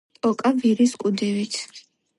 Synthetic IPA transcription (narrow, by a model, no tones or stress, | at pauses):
ɔkʼaviɾiskʼud̪ɛvit̪ʰ